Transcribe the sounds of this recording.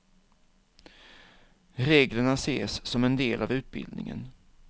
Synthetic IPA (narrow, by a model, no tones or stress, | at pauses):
ɾeːɡləɳaseːsːɔmɛnd̪eːlʔavʉ̟ːt̪̚bɪ̰ld̪nɪ̰ŋə̰n